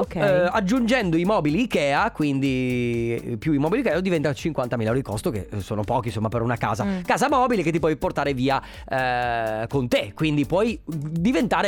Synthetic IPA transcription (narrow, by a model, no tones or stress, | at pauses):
okɛad͡ʒːund͡ʒɛnd̪oimɔːbiliːkɛːakwind̪i | pjuimɔːbilikɛːod̪ivɛnt̪at͡ʃiŋkwant̪amilaɛwɾid̪ikʰɔst̪okḛsoːnopɔːk̟insomːapeɾɔunaka̰ːzakaːzamɔːbileket̪ːip̬wɔjport̪aːɾeviːa | kont̪ekːwind̪ipwɔjd̪ivent̪aːɾe